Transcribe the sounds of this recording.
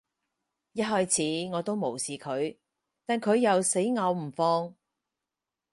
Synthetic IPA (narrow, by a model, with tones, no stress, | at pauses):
jɐ˥t̚ɦɔː˥jt͡sʰiː˨˥ŋɔː˨˧t̪o˥wmo˨˩wsiː˨kʰɵ˨˧ɥ | t̪aː˨nkʰɵ˨˧ɥjɐ˨wse˨˥jŋɐː˨˧wm̩˨˩fɔː˧ŋ